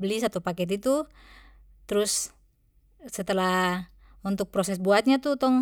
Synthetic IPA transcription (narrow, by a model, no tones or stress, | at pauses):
blisat̪upakɛt̪̬it̪u | t̪ɾus | ɛt̪ɛlah | unt̪uk̚pɾɔsɛsbuat̪̚ɲat̪ut̪ɔŋ